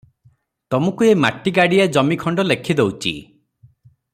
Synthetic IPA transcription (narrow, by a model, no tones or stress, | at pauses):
t̪ɔmukuema̰ʈːiɡaɽiad͡ʒɔmikʰɔɳɖɔlekʰid̪ewt͡ʃʰḭ